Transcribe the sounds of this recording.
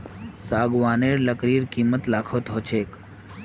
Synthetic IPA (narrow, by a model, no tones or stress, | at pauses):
saːɡʋaːneːɾləkɾiːɾkiːmət̪laːkʰoːt̪ʰoːt͡ʃʰeːk